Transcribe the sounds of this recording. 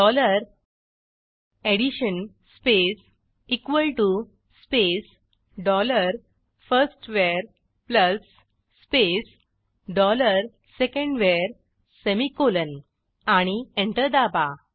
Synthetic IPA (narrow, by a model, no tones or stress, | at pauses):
ɖɔləɾ | eɽiɕən | spes | ikʋəlʈu | spes | ɖɔləɾ | fəɾsʈʋeɾ | pləsː | pes | ɖɔləɾ | sekẽɳɖʋeɾ | semikolən | aɽ̃iẽɳʈəɾd̪aba